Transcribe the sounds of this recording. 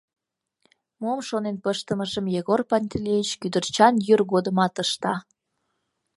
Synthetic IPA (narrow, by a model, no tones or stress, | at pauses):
momʃonenpəʃt̪əməʒəmjeɣorpɑnʲt̪ʲilʲejit͡ɕkyd̪ərt͡ɕɑnjyrɣod̪əmɑt̪əʃt̪ɑ